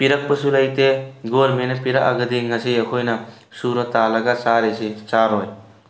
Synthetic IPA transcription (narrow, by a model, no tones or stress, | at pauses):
piɾɐk̚pɐsulajteɡolmenɐpiɾaka̰ɡɐdiŋɐsiɐkʰojnɐ | suɾɐtalɐɡasaɾesit͡ʃaɾɔj